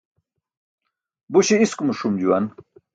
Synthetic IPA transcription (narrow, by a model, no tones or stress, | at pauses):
buɕeiskumuʂumd͡ʑuwɐn